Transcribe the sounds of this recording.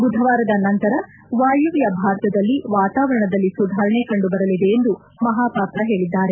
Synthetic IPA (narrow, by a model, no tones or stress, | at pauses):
ɡud̪ʱɐʋaːɾɐd̪ɐnɐnt̪ɐɾɐ | ʋaːjuʋjɐbʱaːɾt̪ɐd̪ɐlːiʋaːt̪aːʋɐɾɐɳɐd̪ɐlːisud̪ʱaːɾɐɳekɐɳɖubɐɾɐlid̪e̞ːnd̪u | mɐɦaːpaːp̪ɾɐɦe̞ːɭid̪ːaːɾe̞